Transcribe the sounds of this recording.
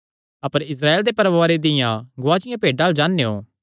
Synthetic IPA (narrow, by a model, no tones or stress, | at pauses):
ɐpəɾɪs̬ɾaːeːld̪epɐɾʋaːɾed̪ɪjãɡʊaːt͡ʃɪjãpeːɖaːld͡ʒaːnːeːo̰ː